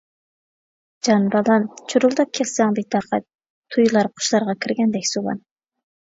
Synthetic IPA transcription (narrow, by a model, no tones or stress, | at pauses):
d͡ʒɑnbɑlˠɑnt͡ʃʰuɾulˠd̪ɑkʲʰːɛsːɛŋd̪ɪt̪ʰɑqʰɑ̰t̪̚ | t̪ʰːujlˠɑɾqʰʊ̥ʃlˠɑɾʁɑkʲʰɪɾɡʲɛnd̪ɛkʲsowɑ̰n